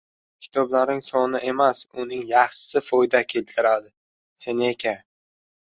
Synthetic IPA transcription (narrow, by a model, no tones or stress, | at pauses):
kʲʰɪ̥t̪ʰɒblaɾnɪŋsɒnɪʔe̞masʊnɪŋjɑχsɪfɒjd̪akʲʰe̞lt̪ʰɪɾad̪ɪ | se̞nekʲʰa